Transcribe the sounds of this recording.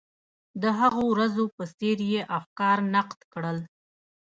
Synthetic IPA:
d̪əɦaɣowɾazopəseɾjeʔafkɑɾnaqt̪kɽəl

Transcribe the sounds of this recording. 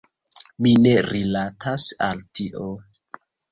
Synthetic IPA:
mine̞ɾilatʰasa̰ltiʔo

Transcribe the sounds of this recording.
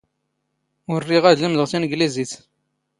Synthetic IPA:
ʊrːiʁæðlimðəʁsinəɡlizit͡s

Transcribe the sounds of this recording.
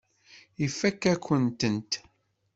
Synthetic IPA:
ifːækːækʷːənt̪ənt̪

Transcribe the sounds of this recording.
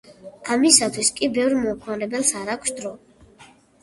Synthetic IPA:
amisat̪ʰwiskʼibɛvɾmɔkʰaɾɛbɛlˠsaɾakʷʰsd̪ɾɔ

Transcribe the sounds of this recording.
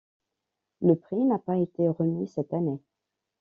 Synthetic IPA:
ləpχinapaet̪eʁəmisɛt̪ane

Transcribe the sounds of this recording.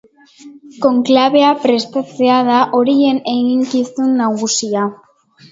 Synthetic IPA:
ko̞ŋklaβe̞apɾe̞st̪at͡se̞aðaʔo̞ɾie̞ne̞ɣiŋkisunːaɣusia

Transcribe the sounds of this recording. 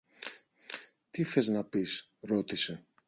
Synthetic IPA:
t̪iθe̞znɐpis | ɾo̞t̪ise̞

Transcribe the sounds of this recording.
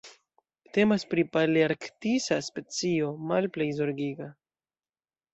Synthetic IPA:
te̞maspɾipaliaɾktisaspe̞t͡sio̞malplejzo̞ɾɡiɡa

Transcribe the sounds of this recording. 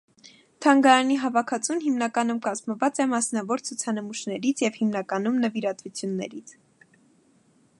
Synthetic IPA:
t̪ʰɑŋɡɑɾɑniɦɑvɑkʰɑt͡sunɦimnɑkɑnumkɑzməvɑt͡sɛmɑsnɑvɔɾt͡sʰut͡sʰɑnəmuʃnɛɾit͡sʰjɛvhimnɑkɑnumnəviɾɑt̪vut͡sʰjunːɛ̰ɾit͡sʰ

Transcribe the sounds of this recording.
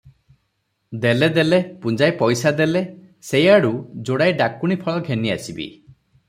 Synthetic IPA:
d̪eled̪elepund͡ʒajpɔjsad̪ele | sejaɽud͡ʒoɽajɖakuɽ̃ipʰɔɭɔɡʱeniasibḭ

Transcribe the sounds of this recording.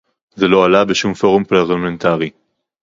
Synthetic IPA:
zelo̞alabeʃumfo̞ʁumplaʁlament̪aʁi

